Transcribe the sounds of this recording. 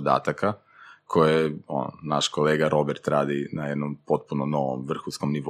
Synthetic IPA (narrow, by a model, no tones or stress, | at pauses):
d̪a̰ːt̪aka | kʰo̞jeo̰nnaʃko̞leːɡaɾʔo̞beɾt̪ɾaːd̪inajed̪nompo̞t̪̚punono̞ʋo̰mʋr̩xunskomniʋ